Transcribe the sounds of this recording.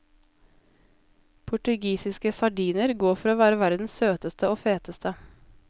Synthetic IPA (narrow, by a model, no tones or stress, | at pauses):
pʰʊʈʉɡiːsɪskəsɑɖiːnəɾɡoːfɔɾoːʋæːɾəʋæɾd̪n̩ssøːt̪əst̪əoːfeːt̪əst̪ʰə